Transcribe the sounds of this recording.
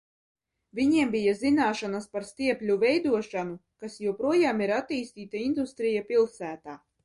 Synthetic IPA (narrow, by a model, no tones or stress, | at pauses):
viɲiɛmbijazinaːʃanaspaɾst̪iɛpʲlʲuvɛjd̪uɔʃanukasjuɔpɾuɔjaːmiɾat̪ːiːst̪iːt̪aind̪ust̪ɾijapilˠsæːt̪aː